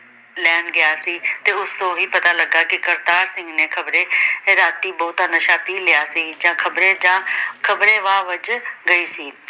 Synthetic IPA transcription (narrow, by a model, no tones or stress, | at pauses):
lɛːnɡɪjaːsiːt̪eːʊst̪õːɦiːpət̪aːləɡaːkɪkəɾt̪aːɾsɪ̃ŋɡneːkʰəbɾeːɾaːt̪iːbɔːt̪aːnəʃaːpiːlɪjaːsiːd͡ʒãːkʰəbɾẽːd͡ʒãːkʰəbɾẽːʋaːʋəd͡ʒɡəiːsiː